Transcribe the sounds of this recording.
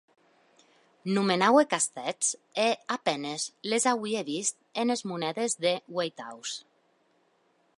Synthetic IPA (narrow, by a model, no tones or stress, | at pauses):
numenawekast̪ɛt͡seapɛnezlezawieβist̪̚enezmunɛðezðewejt̪a̰ws